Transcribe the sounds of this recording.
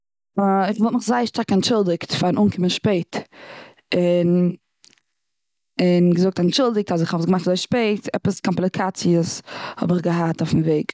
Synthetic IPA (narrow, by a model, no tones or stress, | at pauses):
ɪχvɔlˠt̚mɪχzaɪʃtaɾkanʃɪlˠdɪktfanʔuːnkʰɪmənʃpeɪt | ɪn | ɪnɡəzʊk̚tanʃɪlˠdɪk̚tazɪχɔsɡəmaχtzoɪʃpeɪtʰɛ̰pəskʰɔmplˠɪkʰat͡siəshɔ̰bɪχɡəɦataʊfn̩veɪɡ